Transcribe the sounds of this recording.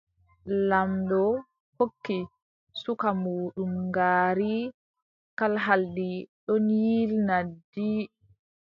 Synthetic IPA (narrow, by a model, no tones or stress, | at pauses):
lamdɔ | hokːi | sukamuːɗumɡaːɾi | kalɦaldiɗɔnjilnadi